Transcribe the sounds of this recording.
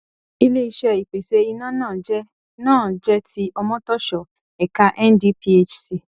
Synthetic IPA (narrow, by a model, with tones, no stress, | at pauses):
i˧le˦i˧ʃɛ˧i˨k͡pe˨ʃe˧i˧nãː˦nãː˦˨d͡ʒɛ˦ | nãː˦˨d͡ʒɛ˦ti˦ʔɔ˧mɔ̃˦tɔ˦ʃɔ˨ | ɛ˨ka˦ʔɛ˦ndi˦pi˦e˦t͡ʃsi˨